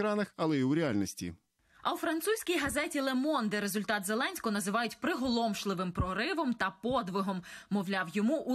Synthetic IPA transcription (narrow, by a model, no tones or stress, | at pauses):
ɾɑnɐxɐlˠɛiwɾʲɛalʲnɔsʲtʲḭ | ɐwfɾɐnt̪susʲkʲijɦɐzɛtʲilˠemɔnd̪ɪɾe̞zʊlʲt̪ɑt̪zelˠɛnʲsʲkɔnɐzɪʋɑjʊtʲpɾɪɦɔlˠɔmʃlˠɪʋɪmpɾɔɾɪʋɔmt̪ɐpɔd̪ʋɪɦɔmːɔwlʲɑwjɔmuʔu